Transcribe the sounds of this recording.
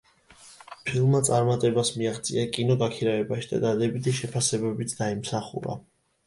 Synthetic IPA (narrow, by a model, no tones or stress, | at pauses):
pʰilˠmat̪sʼaɾmat̪ʼɛbasmiaχt̪sʼḭakʼinɔɡakʰiɾavɛbaʃid̪a̰d̪ad̪ɛbit̪ʰiʃɛpʰasɛbɛbit̪ʰd̪aimsaχṵɾa̰